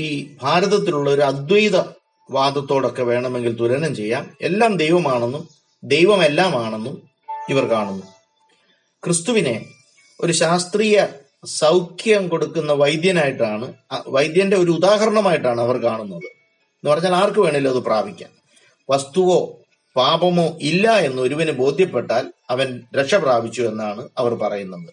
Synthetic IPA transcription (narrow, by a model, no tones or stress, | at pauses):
iːbʱaːɾɐðɐt̪̬ːiluɭːɐo̞ɾuɐd̪wɐjðɐ | ʋaːd̪ɐt̪ːo̞ːɽo̞kːe̞ʋe̞ːɳɐme̞ŋɡilt̪ulɐnɐmt͡ɕe̞jːaːme̞̰lːaːmd̪e̞jʋɐmaːɳenːum | d̪e̞jʋɐme̞lːaːmaːɳenːu | iʋɐrkaːɳunːu | krɨst̪uʋine̞ | o̞ɾuɕaːst̪riːjɐ | sɐwkʰjɐɐmko̞ɽukːunːɐʋɐjd̪jɐnaːjiʈːaːɳɨʋɐjd̪jɐnde̞o̞ɾuud̪aːɦɐɾɐɳɐmaːjiʈːaːɳɨɐʋɐrkaːɳunːɐðɨ | enːupɐrɐɲːaːlaːrkɨʋe̞ːɳilːɐɐðɨpraːbʱikʲːa̰ːm | ʋɐst̪uʋo̞ː | paːbɐmo̞ːʔilːɐe̞nːuʋɐɾuʋɐnɨbo̞ːd̪ʱjɐpːe̞ʈːaːlɐʋɐnɾekʂɐpraːbʱit͡ɕːue̞nːaːɳɨɐʋɐrpɐrɐjunːɐðɨ